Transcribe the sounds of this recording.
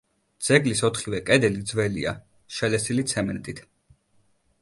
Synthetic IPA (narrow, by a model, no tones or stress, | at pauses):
d̪z̥ɛɡlisɔt̪ʰχivɛkʼɛd̪ɛlid̪zvɛlḭa̰ | ʃɛlɛsilit̪sʰɛmɛnt̪ʼit̪ʰ